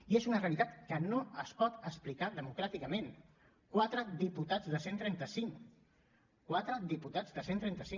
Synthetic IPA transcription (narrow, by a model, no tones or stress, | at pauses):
iezunəreəlit̪at̪kənoəspɔt̪əsplikaðəmukɾat̪ikəmen | kwat̪ɾəðiput̪ad͡zðəsent̪ɾɛnt̪əsiŋ | kwat̪ɾəðiput̪azðəsent̪ɾɛnt̪əsiŋ